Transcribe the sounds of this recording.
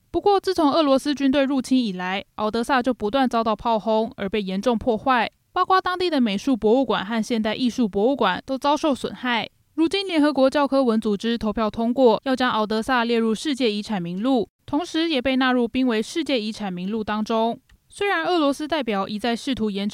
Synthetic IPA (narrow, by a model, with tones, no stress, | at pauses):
pu˧˥kwɔ˥˨t͡sɹ̩˥˩t͡sʰʊ˧˥ŋɤ˥˩lwɔ˧˥sɹ̩˥t͡ɕy˥nt̪̬we˥˧ɪɻu˥˩t͡ɕʰi˥ni˨˩la˧˦ɪʔɑ˨˩ʊt̪ɤ˧˥sa˥˧t͡ɕjo˥˩ʊpu˧˥t̪wa˥˩nt͡sɑ˥ʊt̪ɑ˥˩ʊpʰɑ˥˩ʊxʊ˥ŋə̰˞˧˥pe˥˩ɪjɛ˧˥nʈ͡ʂʊ˥˧ŋpʰwɔ˥˧xwa˥˩ɪ | pɑ˥ʊkwa˥t̪ɑ˥ŋt̪i˥˩d̪ə˩me˨˩ɪʂu˥˩pwɔ˧˥u˥˩kwa̰˨˩nxa˥˧nɕjɛ˥˧nt̪a˥˧ɪʔi˥˧ʂu˥˩pwɔ˧˥u˥˩kwa˨˩nt̪o˥ʊt͡sɑ˥ʊʂo˥˩ʊswə̰˨˩nxa˥˩ɪ | ɻu˧˥t͡ɕi˥nljɛ˧˥nxɤ˧˥kwɔ˧˥t͡ɕjɑ˥˧ʊkʰɤ˥wə˧˥nt͡su˨˩ʈ͡ʂɻ̩˥t̪ʰo˧˥ʊpʰjɑ˥˩ʊt̪ʰʊ˥ŋkwɔ˥˩jɑ˥˩ʊt͡ɕjɑ˥ŋɑ˨˩ʊt̪ɤ˧˥sa˥˧ljɛ˥˧ɻu˥˧ʂɻ̩˥˧t͡ɕjɛ˥˩i˧˥ʈ͡ʂʰa˨˩nmi˧˥ŋlu˥˩ | t̪ʰʊ˧˥ŋʂɻ̩˧˦jɛ˨˩pe˥˧ɪna˥˧ɻu˥˩pi˥ŋwe˧˥ɪʂɻ̩˥˧t͡ɕjɛ˥˩i˧˥ʈ͡ʂʰa˨˩nmi˧˥ŋlu˥˩t̪ɑ˥ŋʈ͡ʂʊ˥ŋ | swe˥ɪɻa˧˥nɤ˥˩lwɔ˧˥sɹ̩˥t̪a˥˩ɪpjɑ˨˩ʊʔi˨˩t͡sa˥˧ɪʂɻ̩˥˩t̪ʰu˧˥jɛ˧˥n